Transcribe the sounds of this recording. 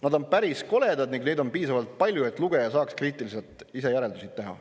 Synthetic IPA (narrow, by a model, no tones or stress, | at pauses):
nɑd̪o̞npæɾisko̞le̞d̪ɑd̪niŋɡned̪o̞npiːsɑvɑlt̪̚pɑlʲjue̞t̪ːˑluɡ̥e̞jɑsɑːkskriːt̪ˑilise̞lt̪ˑ | ise̞jæɾe̞ld̪usit̪ːe̞ɦɑ̰